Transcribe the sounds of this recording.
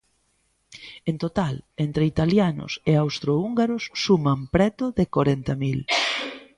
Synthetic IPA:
ent̪ot̪alent̪ɾeit̪aljanʊ̰seawst̪ɾouŋɡaɾʊsːumampɾɛt̪ʊðɪkoɾɛnt̪ɐmil

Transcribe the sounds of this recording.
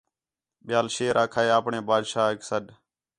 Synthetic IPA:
ɓɪjaːlʃeːɾʔaːkʰaːeːaːpɳeːbaːd̪ʃaːɪksəɗ

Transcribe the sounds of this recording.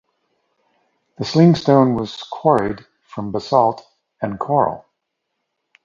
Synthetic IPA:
ðɨslɪ̃ŋstõʊ̃nwʌz̥kʰw̥ɔɹid̥ | fɹʌ̃mbəsɔlˠt | ɨ̃nkʰɔɹl̩ˠ

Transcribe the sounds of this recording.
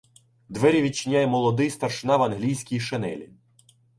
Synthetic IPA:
d̪ʋɛɾʲiʋʲit͡ʃɪnʲajɛmɔlˠɔd̪ɪjst̪ɐɾʃnɑʋɐnɦlʲijsʲkʲijʃenɛ̰lʲḭ

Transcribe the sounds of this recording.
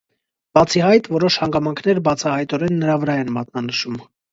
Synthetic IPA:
b̥ɑt͡sʰiɦɑjt̪vɔɾɔʃhɑŋɡɑmɑŋkʰn̪ɛɾbɑt͡sʰɑhɑjt̪ɔɾɛnːəɾɑvəɾɑɛnmɑt̪nɑnəʃum

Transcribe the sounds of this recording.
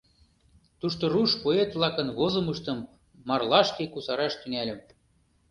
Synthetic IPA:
t̪uʃt̪oruʃpoet̪vlˠɑkɤ̆nβozɤ̆mɯʃt̪ɤ̆mː | ɑrlɑʃkekusɑɾɑʃt̪ynælʲɘ̆m

